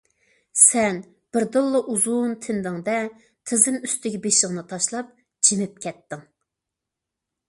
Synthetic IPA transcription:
sɛn | b̥ɪɾd̪ɨlˠːɨʔuzunt̪ʰɪnd̪ɨŋd̪ɛ | t̪ʰɨzɪmyst̪ɪɡʲɛbeʃɪʁnɨt̪ʰɑʃlˠɑp̚ | d͡ʒimɪp̚kʲʰɛt̪ːɪŋ

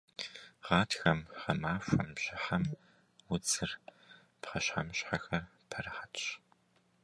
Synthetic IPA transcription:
ʁɑːtʰxɐmχɐmaːfʷɐmɕɪħam | wʊd͡zɨr | pχɐɕħamɕħaxɐrpʰɐrɨħatɕ

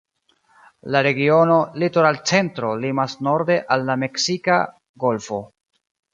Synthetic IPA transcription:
laɾe̞ɡio̞no̞litoɾalt͡se̞ntɾo̞limasno̞ɾde̞ʔalːame̞ksika̰ | ɡo̞lfo̞

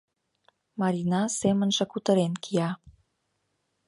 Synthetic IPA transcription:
mɑɾinɑsemə̆nʒĕkut̪ə̆ɾenkʰijɑ

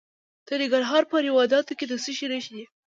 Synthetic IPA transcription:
t̪əɾiɡaɾɦɑɾpəɾɪwɑd̪ɑt̪oked̪əsəʃeɾaʃid̪i

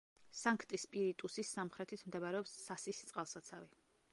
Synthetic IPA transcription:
saŋkʰt̪ʼispʼiɾit̪ʼusisamχɾɛt̪ʰit̪ʰmd̪ɛbaɾɛɔpsːasist̪sʼqʼalˠsat̪sʰavi

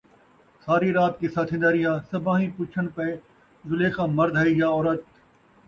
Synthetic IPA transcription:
saːɾiɾaːt̪kisaːt̪ʰɪ̃nd̪aːɾijãːsɐbãːɦĩpuːt͡ʃʰəñpe | zʊleːxãːmɐɾd̪ʱɐiɡjaɔːɾət̪̚

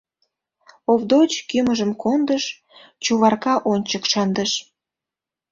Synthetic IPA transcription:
ovd̪ot͡ɕkyməʒəmkond̪əʃ | t͡ɕuβɑrkɑʔonʲt͡ɕəkʃɑnd̪əʃ

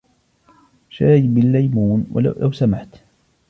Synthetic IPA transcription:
ʃaːjbɪlːajmuːnwa̰la̰lawsamaʕt̪

